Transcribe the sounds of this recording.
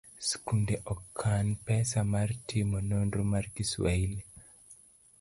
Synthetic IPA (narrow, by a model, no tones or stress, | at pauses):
skundɛʔɔkʰːanpɛsamaɾtʰimɔnɔndɾomarkisweili